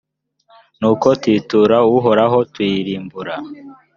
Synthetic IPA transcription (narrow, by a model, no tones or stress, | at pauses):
nuːkotwiːtuːɾauɦo̞ɾaɦo̞twiɾiːmbuɾa